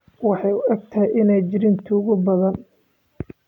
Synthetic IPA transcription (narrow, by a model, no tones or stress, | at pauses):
wɑħɑjʊɐɡ̚t̪ʰɐjʔɪnɛjt͡ʃɪɾɪnt̪ʰʊʊɣʊbɐðɐn